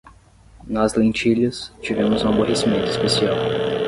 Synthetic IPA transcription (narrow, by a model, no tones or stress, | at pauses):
nɔzlẽt͡ʃiʎɐst͡ʃivẽmʊzũɐboɦesimẽnt̪ʊispesiaw